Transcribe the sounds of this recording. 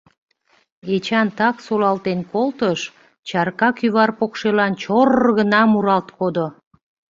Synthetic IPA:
et͡ɕɑnt̪ɑksolɑlt̪enkolt̪əʃ | t͡ɕɑrkɑkyβɑrpokʃelɑnt͡ɕorɣənɑmuɾɑlt̪kod̪o

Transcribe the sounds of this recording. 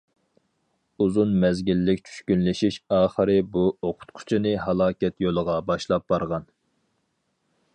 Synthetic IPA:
uzunmɛzɡʲilːɪkʲt͡ʃʰy̥ʃkʲynlɪʃiʃɑːχəɾɪbuoqʰʊ̥t̪qʰʊ̥t͡ʃʰinɨɦɑlˠɑːkʲɛt̪jolˠəʁɑbɑʃlˠɑp̚b̥ɑɾʁɑn

